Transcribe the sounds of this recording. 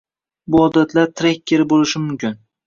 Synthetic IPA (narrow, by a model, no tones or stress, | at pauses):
bʊɒd̪at̪ʰlaɾt̪ʰɾekʲːeɾɪbolɪʃɪmʊmkʲɪn